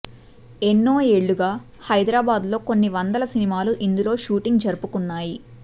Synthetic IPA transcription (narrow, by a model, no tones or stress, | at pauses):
enːoːe̞ːɭːuɡaː | hɐjd̪ɾaːbaːd̪lo̞ːko̞nːiʋɐnd̪ɐlɐsinimaːluʔind̪ulo̞ːʃuːʈiŋɡd͡ʒɐɾupukunːaːji